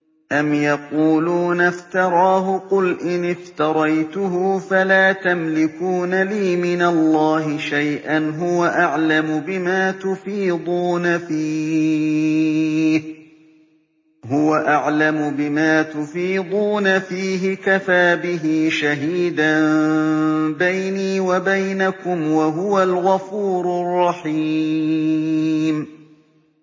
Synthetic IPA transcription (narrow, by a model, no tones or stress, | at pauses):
ʔamjɑquːluːnaft̪ɑɾˤɑːɦʊqʊlʔɪnɪft̪ɑɾˤɑjt̪ʊɦʊfalaːt̪amlɪkuːnaliːmɪnalˤːɑːɦɪʃajʔanɦʊwaʔaʕlamʊbɪmaːt̪ʊfiːd̪ˤuːnafiː | h | ɦʊwaʔaʕlamʊbɪmaːt̪ʊfiːd̪ˤuːnafiːɦɪkafaːbɪɦiːʃaɦiːd̪an | bajniːwabajnakʊmwaɦʊwalɣafuːɾʊrˤːɑħi | m